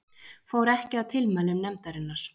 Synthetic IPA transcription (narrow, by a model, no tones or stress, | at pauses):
foːwɾɛhcɪaðt̪ʰɪlmɛːlːʏmnɛmt̪aɾɪnːaɾ̥